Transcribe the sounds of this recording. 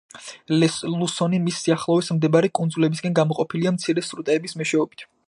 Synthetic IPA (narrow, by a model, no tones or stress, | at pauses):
llˠusɔnimisːiaχlˠɔvismd̪ɛbaɾikʼund̪zulɛbisɡʼɛnɡamɔqʼɔpʰiliamt̪sʰiɾɛsɾut̪ʼɛːbismɛʃɛɔbit̪ʰ